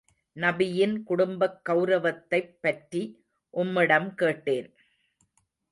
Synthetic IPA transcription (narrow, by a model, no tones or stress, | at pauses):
nɐbɪjɪnkʊɽʊmbɐkːɐʊɾɐʋɐt̪ːɐɪpːɐʈɾi | ʔʊmːɪɽɐmkeːʈːeːn